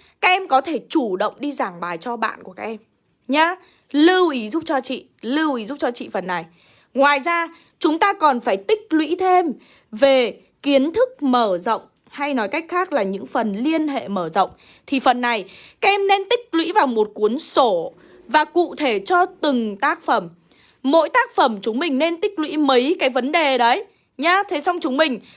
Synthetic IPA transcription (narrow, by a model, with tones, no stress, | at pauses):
kaː˦˥k̚ʔɛ˧mkɔ˨˦t̪ʰe˧˩t͡ɕu˧˩ɗə̰˧˨wŋ͡mɗi˧zaː˧˩ŋɓaː˨˩jt͡ɕɔ˧ɓa̰ː˧˨nku˧˩kaː˦˥k̚ʔɛ˧m | ɲaː˧ | lɨ˧wʔi˨˦zu˦˥p̚t͡ɕɔ˧t͡ɕḭ˧˨ | lɨ˧wʔi˨˦zu˦˥t͡ɕɔ˧t͡ɕḭ˧˨fə˨˩nːa˨˩j | ŋwaː˨˩jzaː˧ | t͡ɕʊ˨˦ŋ͡mt̪aː˧kɔ˨˩nfaː˧˩jt̪ï˦˥k̟̚lwḭ˧˥t̪ʰe˧m | ve˨˩ | ki˨˦ənt̪ʰɨ˦˥k̚məː˧˩zə̰˧˨wŋ͡m | ha˧jnɔ˨˦jka˦˥jk̟̚xaː˦˥k̚laː˨˩ɲɨ̰˧˥ŋfə˨˩nli˧ənɦḛ˧˨məː˧˩zə̰˧˨wŋ͡m | t̪ʰi˨˩fə˨˩nːa˨˩jka˦ɛ˧mne˧nt̪ï˦˥k̚lwḭ˧˥vaː˨˩wmo˨˩t̚ku˨˦ənso˧˩ | vaː˨˩kṵ˧˨t̪ʰe˧˩t͡ɕɔ˧t̪ɨ˨˩ŋt̪aː˦˥k̚fə˧˩mː | o̰˧˥jt̪aː˦˥k̚fə˧˩mt͡ɕʊ˨˦ŋ͡mmï˨˩ŋ̟ne˧nt̪ï˦˥k̚lwḭ˧˥mə˨˦jkaː˨˦jvə˨˦nɗe˨˩ɗə˨˦j | ɲaː˧t̪ʰe˨˦sɔ˧wŋ͡mt͡ɕʊ˨˦ŋ͡mmï˨˩ŋ̟